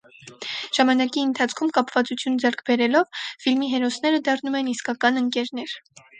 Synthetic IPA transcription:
ʒ̥ɑmɑnɑkiənt̪ʰɑt͡sʰkʰumkɑpvɑt͡sut͡sʰjund͡zɛrkʰbɛɾɛlɔvfilmiɦɛɾɔsnɛɾəd̪ɑrnumɛniskɑkɑnəŋkɛɾn̪ɛɾ

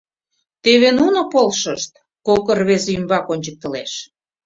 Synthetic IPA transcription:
t̪eβenunopolʃəʃt̪̚ | kokərβezeymbɑkonʲt͡ɕək̚t̪ə̆leʃ

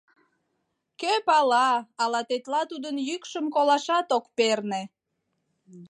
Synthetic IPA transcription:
køpɑlɑɑlɑt̪et̪lɑt̪ud̪ənjykʃəmkolɑʃɑt̪okperne

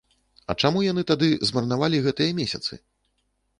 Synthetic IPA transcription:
ɐ̰t͡ʂamujan̪ɨt̪ad̪ɨzmɐrnavalʲiɣɛt̪ɨjɐmʲesʲɐt̪sɨ̰

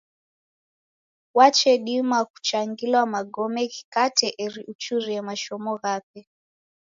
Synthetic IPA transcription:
wat͡ʃɛɗimaku̥t͡ʃaŋɡilwamaɡɔmɛki̥katɛʔɛɾiʔut͡ʃuɾiɛmaʃɔmɔɣapɛ

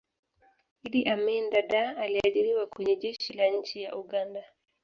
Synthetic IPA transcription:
iliʔamɛndaɗaːliaɗiɾiwakwɛɲɛʄɛʃilaɲ̩t͡ʃijaʔuɡanda

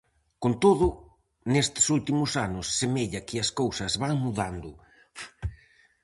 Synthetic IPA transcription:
kont̪oðʊ | nest̪ɪ̥sult̪imʊsanʊsːemeʎɐkɪɐskowsɐzβaŋmuðand̪ʊ | f

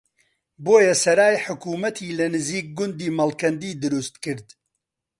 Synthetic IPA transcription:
boːjɛsɐɾaːjħʊkuːmɐt̪ʰiːlɨnɨziːk̚ɡʊnd̪iːmɐlkɐnd̪iːd̪ɨɾust̪kɨɾd̪

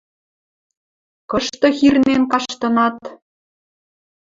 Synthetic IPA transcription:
kɤʃt̪ɤ̆xirnenkɑʃt̪ɤ̆nɑt̪

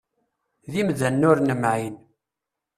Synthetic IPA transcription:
ðimðænːʊɾnəmʕin

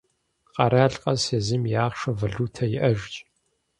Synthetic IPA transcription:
qɐɾaːɬqʼɐeːzɨmjaːχʂɐvɐɮuːtʰɐjɪʔɐʒt͡ʃʼ

